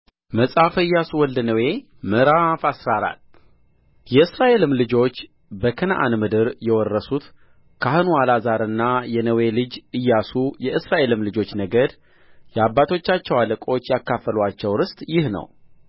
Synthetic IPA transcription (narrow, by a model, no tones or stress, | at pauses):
məsʼafɨjːasuwɔld̪nəwe̞ | mɨɾafasɾaɾa̰t̪ː | jɛɨsɾaʔe̞lɨmlɨd͡ʒo̞t͡ʃː | bəkʰənaʔa̰nmɨd̪ɨɾjɛwɔrːəsut̪ | kʰahɨnuwalazaɾɨnːajɛnəwe̞lɨd͡ʒɨjːasujɛʔɨsɾaʔe̞lɨmlɨd͡ʒo̞t͡ʃːnəɡəd̪ | jɛabːat̪ʰo̞t͡ʃːat͡ʃːɛwaləkʼo̞t͡ʃːjakːafːəlwat͡ʃːɛwɾɨst̪ʼjɪhnə̰w